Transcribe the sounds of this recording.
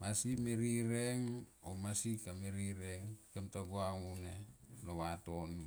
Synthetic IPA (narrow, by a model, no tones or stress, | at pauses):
masimeɾiɾeŋomasikameɾiɾeŋkemtaɡoaŋunelowatonu